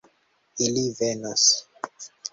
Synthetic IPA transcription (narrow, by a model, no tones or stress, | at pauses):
ilivenas